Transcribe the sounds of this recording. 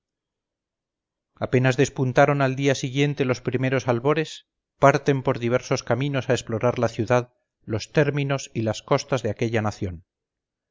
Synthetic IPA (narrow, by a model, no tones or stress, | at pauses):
ape̞nazðe̞spunt̪aɾo̞nald̪iasiɣje̞nt̪e̞lo̞spɾime̞ɾo̞salβo̞ɾe̞s | paɾt̪e̞mpo̞ɾðiβ̞e̞ɾso̞skamino̞saesplo̞ɾaɾlaθjuðað | lo̞st̪e̞ɾmino̞silasko̞st̪azðeake̞ʎanaθjo̞n